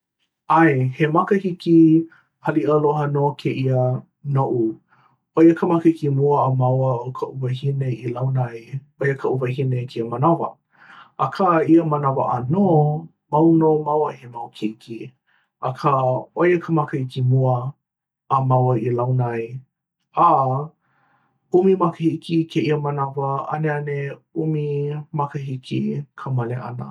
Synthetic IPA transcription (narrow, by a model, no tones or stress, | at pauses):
ajhemɐkəhiki | hɐliʔəloɦənokʰeʔiə | noʔu | ʔojəkʰəmakəhikimuəːmawəokʰəʔuvəhineilawnɐj | ojəkʰəʔuvəhinekʰiəmɐnavə̰ | ʔɐkʰaiəmɐnavə̰ʔɐno | mawnomawəhemawkʰikʰi | ʔakʰəojəkʰəmakəhikimuəː | mawəilawnaj | a | umimakəhikʰikʰeʔiəmənavəʔɐ̰neɐneumimakəɦikʰḭkʰəmɐleʔa̰nə̰